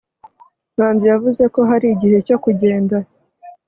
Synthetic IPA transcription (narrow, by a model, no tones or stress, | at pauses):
n̥aːnzijavuze̞ko̞ɦaɾiɟihe̞co̞kuɟe̞ːnda